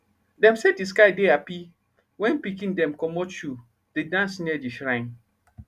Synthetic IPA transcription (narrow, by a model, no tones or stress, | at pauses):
dɛ̃msɛdis̬kaɪdeapi | wɛ̃npikĩndɛ̃mkɔmɔt͡ʃu | d̥edãnsnɛd͡ʒiʃɾãɪ̃n